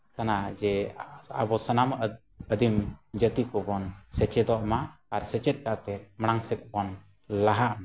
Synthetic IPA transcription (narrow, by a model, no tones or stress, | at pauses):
kanad͡ʒɛabɔsənam | əd̪imd͡ʒət̪ikɔbɔnsɛt͡ʃɛd̪ɔʔmaːɾsɛt͡ʃɛt̪̚ˀkaʔt̪ɛməɽ̃aŋsɛt̪̚bɔn | laɦaʔma